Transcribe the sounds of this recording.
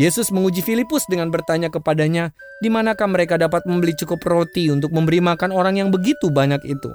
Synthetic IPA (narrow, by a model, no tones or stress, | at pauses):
jesʊsməŋud͡ʒifilipʊsdəŋanbərt̪aɲakəpadaɲa | dimanakahməɾekadapat̪̚məmbəlit͡ʃukʊprot̪iunt̪ʊk̚məmbəɾimakanoɾaŋjaŋbəɡit̪ubaɲakḭt̪ṵ